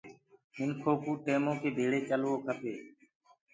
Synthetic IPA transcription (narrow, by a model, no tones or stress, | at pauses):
mɪnkʰoːkuːʈeːmõːkeːbʱeːɭeːt͡ʃəlʋoːkʰəpeː